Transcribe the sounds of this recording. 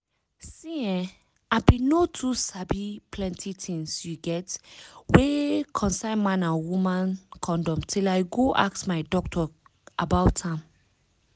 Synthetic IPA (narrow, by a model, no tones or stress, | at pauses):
sĩɛ̃ | abinotʰusabipʰlɛ̃ntʰitʰĩŋsjuɡɛtwekʰɔ̃nsãɪ̃nmãnawumãnkʰɔ̃ndɔ̃mtʰilaɪɡoʔa̰k̚smaɪdɔk̚tʰɔʔabaʊtãm